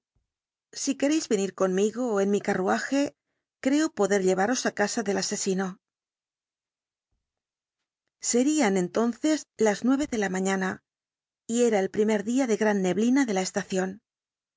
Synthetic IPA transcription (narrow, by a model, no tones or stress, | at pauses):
sike̞ɾe̞jzβeniɾko̞nmiɣo̞ːe̞nmikaruaxe̞ | kɾe̞opoðe̞ɾʎe̞βaɾo̞sakasaðe̞lase̞sino̞ | se̞ɾiane̞nt̪o̞nθe̞zlaznwe̞β̞e̞ðe̞lamãɲana | ie̞ɾaelpɾime̞ɾðiaðe̞ɣɾanːe̞βlinaðe̞lae̞st̪aθjo̞n